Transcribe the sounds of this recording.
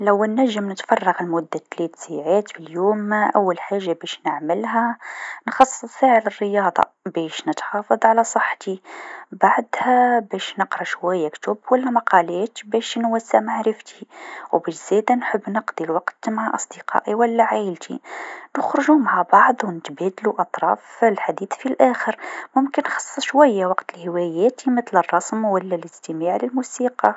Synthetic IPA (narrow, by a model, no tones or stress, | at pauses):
læwːnːæʒːəmnət̪fɑrˤːɑɣəlmʊd̪ːat̪lɛt̪saʕat̪bəljuːmːaʔæwːælħaʒːabæʃnəʕməlɦænxɑsˤːsˤfeʕlərːəjɑd̪ˤɑ̰ | bɛʃnət̪xɑfɑðˤʕalæsˤəħːt̪ibaʕd̪hæbæʃnəqɾˤɑʃwæjːækt̪ʊbwælːæmɑqʰɑlæːt̪bæʃnwæsːaʕmaʕɾəft̪ʰi̥wbæʃz̥æd̪ænħəbːnəqd̪ˤilwɑqt̪maʕaʔɑsˤd̪əqɑ̰ʔiwəlːæʕajəlt̪ʰḭnəxɾɑʒumaʕabɑʕd̪ˤwnət̪bæd̪luʔɑt̪ˤɾˤɑ̰fəlħad̪iːθfilʔæxəɾmʊmkənːxɑ̥sˤːəʃwæjːawɑqt̪əlhəwæjæt̪imət̪lərˤːɑsmwəlːæləst̪əmaʕləlmusiqɑ